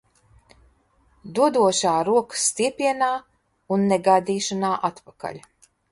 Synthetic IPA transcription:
d̪uɔd̪uɔʃaːɾuɔkə̥sːt̪iɛpʲiɛnaː | unːɛɡajd̪ʲiːʃanaːʔat̪paka̰ʎʲ

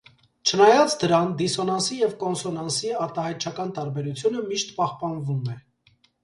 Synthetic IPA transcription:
t͡ʃʰənɑjɑt͡sd̪əɾɑnd̪isɔnɑnsijɛvkɔnsɔnɑnsiɑɾt̪ɑɦɑjt̪̚t͡ʃʰɑkɑnt̪ɑɾbɛɾut͡sʰjunəmiʃt̪pɑhpɑnvumɛ

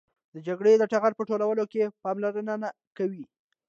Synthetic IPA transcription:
d̪̥əd͡ʒaɡɽed̪əʈaɣaɾpəʈolawəlokepɑmlaɾənana | kawi

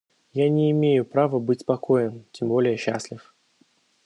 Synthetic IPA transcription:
janʲɪːmʲejʊpɾavəbɨtʲpɐkʰojəmtʲɪmbolʲɪjəɕːasʲlʲɪf

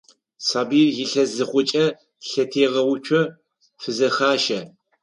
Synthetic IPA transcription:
sʰaːbiːrjɪɬɐzɨχʷʊt͡ʃʼɐ | ɬɐtʰeːʁɐwʊt͡ʃʷʰɔ | fɨzɐxaːʃɐ

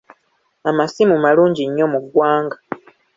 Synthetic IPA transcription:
amasimumaluːɲɟiɲːo̞muɡwaːŋɡa

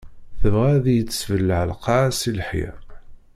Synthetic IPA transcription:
θəvʁæðjət͡sːə̥svəlːʕəlqɑsilħjæ̰

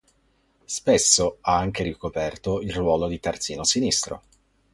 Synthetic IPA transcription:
spesːoaaŋk̟eɾikopɛrt̪oilrwɔːlod̪it̪art̪siːnosinist̪ɾo̰

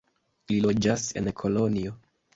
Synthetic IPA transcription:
lilo̞d͡ʒase̞̰nkʰo̞lo̞nio̞

